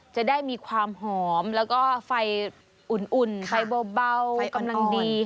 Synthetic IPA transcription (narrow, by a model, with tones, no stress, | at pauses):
t͡ɕa˨˩daː˥˩jmiː˧kʰwaː˧mɦɔː˩˦mlɛː˦˥wkɔː˥˩fa˧j | ʔu˨˩nʔu˨˩nfa˧jbɔː˧ba˧wka˧mla˧ŋdiː˧